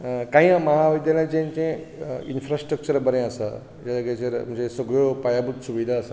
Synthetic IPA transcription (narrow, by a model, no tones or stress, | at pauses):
kãɦĩãmɐɦaʋid̪jalãd͡ʑẽɲt͡ɕẽ | infɾasʈɾək̚t͡ɕəɾbəɾẽəsa̰ | d͡ʑaaɡet͡ɕeɾm̤ə̃ɳd͡ʑesəɡɭjopajabut̪suʋid̪ʱaəsa